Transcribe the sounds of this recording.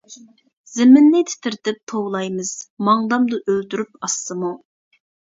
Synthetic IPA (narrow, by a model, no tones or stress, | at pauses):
z̥ɪmɪnːɪt̪ʰɪ̥t̪ʰɪɾt̪ɪp̚t̪ʰowlˠɑjmɨz̥mɑŋd̪ɑmd̪ɑʔølt̪yɾypɑsːɨmu